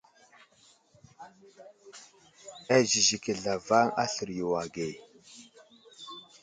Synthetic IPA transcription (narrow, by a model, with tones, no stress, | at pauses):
a˦zi˨zi˨ke˨ɮa˨va˦ŋa̰˦ɬə˨ɾju˨wa˨ɡe˨